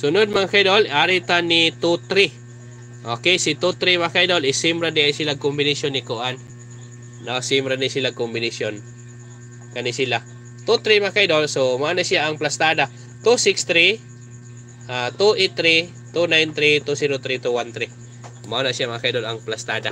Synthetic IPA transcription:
sʊnʊd̪̚mɐŋkajd̪olʔaɾɪt̪anit̪ut̪ɾi | ʔokɛjsɪt̪ut̪ɾimakajd̪olɪsimbɾad̪ɪʔajsɪlaɡ̚kʊmbɪnɪsjonːɪkʊʔanː | osimɾanɪsɪlaɡ̚kʊmbɪnɪsjon | kɐnɪsɪla | t̪ut̪ɾimakajd̪olsomanasjaʔɐŋplast̪aːd̪a | t̪usɪkst̪ɾi | ʔat̪uʔet̪ːɾi | t̪unajnt̪ɾit̪usiɾot̪ɾit̪uwant̪ɾi | manasjamakajd̪olɐŋplast̪aːd̪a

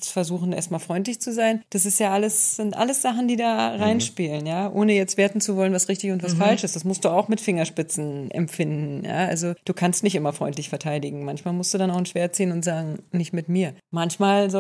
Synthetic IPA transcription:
fɛɐzuːxn̩ḛːɐstmaːlfʁ̥ɔʏnt̬lɪçt͡suzaɪnd̥asɪstjaːʔaləsz̥ɪntʔa̰ləsz̥aχn̩diːdaːʁaɪnʃpiːlənjaːʔoːnəjɛt͡stv̥eːɐtn̩t͡suvɔlənvasʁɪçtɪçʊntv̥asfalʃɪstd̥asmʊst̚d̥uːaʊxmɪtfɪŋɐʃpɪt͡sn̩ʔɛ̰mfɪndn̩ja̰ːʔa̰lzod̥uːkʰanstnɪç̬tʔɪmɐfʁ̥ɔ̰ʏntlɪçfɛɐtʰaɪdɪɡŋ̩mançmaːlmʊstd̥uːdanaʊxn̩ʃv̥eːɐt̚t͡siːənʊntz̥aːɡŋ̩nɪçtmɪtmiːɐmançmaːlzo

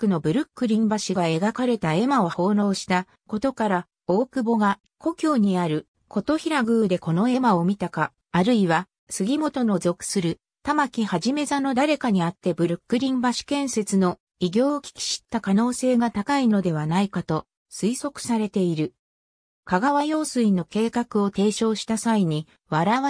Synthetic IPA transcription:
kːɯ̟no̞bɯ̟ɾɯ̟kːɯ̟ɾʲĩmbaɕiɡae̞ɡakaɾe̞t̪ae̞mao̞ho̞ːno̞ːɕi̥t̪a | ko̞t̪o̞kaɾa | o̞ːkɯ̟bo̞ɡa | kʰo̞kʲo̞ːɲ̟iaɾɯ̟ | kʰo̞t̪o̞çiɾaɡɯ̟ːd̪e̞ko̞no̞e̞mao̞mʲit̪akaː | ɾɯ̟iβa | sɨɡʲimo̞t̪o̞no̞zo̞kɯ̟̥sɨɾɯ̟ | t̪amakʲihaʑime̞zano̞d̪aɾe̞kaɲ̟iat̪ːe̞bɯ̟ɾɯkːɯ̟ɾʲĩmbaɕi̥kẽ̞ɰ̃se̞t͡sɨno̞ | iɡʲo̞ːkʲi̥kʲi̥ɕi̥t̪ːakano̞ːse̞ːɡat̪akaino̞d̪e̞βanaikat̪o̞ | sɨiso̞kɯ̟̥saɾe̞t̪e̞iɾɯ̟ | kaɡaβajo̞ːsɨino̞ke̞ːkakɯ̟o̞t̪e̞ːɕo̞ːɕi̥t̪asaiɲ̟i | βaɾaβa

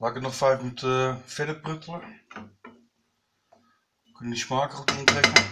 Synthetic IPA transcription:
laːkətnɔχfɛjfnytəfɛdəprøtəlˠə | kɵnənismaːkərɔtɔntrɛkə

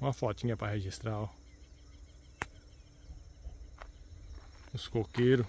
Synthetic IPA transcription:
ũmɐfɔt̪ĩɲɐpɾɐheʒist̪ɾaw | ʊskokeɾʊ

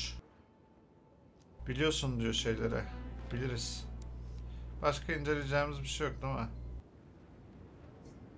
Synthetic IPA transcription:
b̥ilʲijo̞sund̪ijo̞ʃe̞jlʲeɾɛ̰b̥ilʲiɾiz̥ | b̥aʃkʰaind͡ʒe̞lʲed͡ʒɛːmizbiʃejok̚d̪ama

